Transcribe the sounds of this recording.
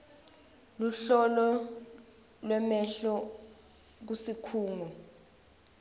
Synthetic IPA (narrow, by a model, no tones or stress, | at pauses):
luɬɔlɔ | lwɛmɛɬɔ | k̬usikʰuːŋɔ